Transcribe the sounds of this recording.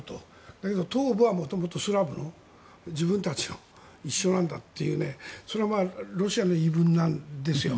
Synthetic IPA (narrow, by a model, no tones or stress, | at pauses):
t̪o | d̪̥ake̞d̪o̞t̪oːbɯ̟βamo̞t̪o̞mo̞t̪o̞sɨɾabɯ̟no̞ | d͡ʑibɯ̃nt̪at͡ɕi̥no | iɕːo̞nãnd̪at̪ːejɯ̰ːne̞so̞ɾeamaɾo̞ɕiano̞ibɯ̟̃nːãnd̪e̞sɨjo̞